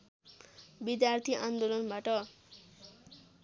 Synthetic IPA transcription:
bid̪jart̪ʰiʔand̪olʌnbaʈʌ

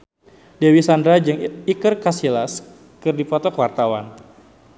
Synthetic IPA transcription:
dewisandɾad͡ʒɨŋikɨrkasilas | kɨrdipɔt̪ɔkwart̪awa̰n

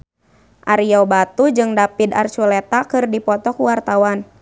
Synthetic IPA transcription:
ʔaɾiɔbat̪ud͡ʒɨŋdapid̪a̰rt͡ʃulɛt̪akɨrdipɔt̪ɔkuwart̪awan

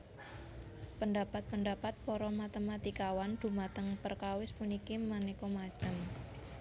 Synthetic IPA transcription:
pəndapat̪̚pəndapat̪̚pɔɾɔmat̪əmat̪ikawand̪̥ṳmat̪əŋpərkawɪspunikimanekɔmat͡ʃəm

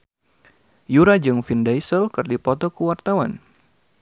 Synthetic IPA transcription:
juɾad͡ʒɨŋfindajsəlkɨrdipɔt̪ɔkəwart̪awan

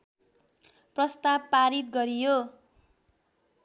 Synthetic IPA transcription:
prʌst̪abpaɾit̪̚ɡʌɾijo

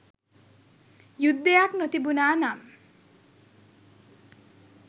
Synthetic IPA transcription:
jud̪ːejaknot̪ibunaːnam

